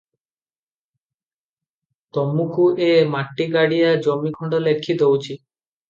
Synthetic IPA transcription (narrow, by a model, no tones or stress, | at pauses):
t̪ɔmːukʰuʔemaʈːiɡaɽijad͡ʑɔmːikʰɔɳɖolekʰːit̪owt͡ɕʰi